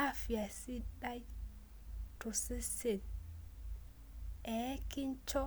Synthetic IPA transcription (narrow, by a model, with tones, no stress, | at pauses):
afi˨ja˨siɗaj | tɔ˨sɛ˦se˨l | ʔɛki˦nt͡ʃɔ˦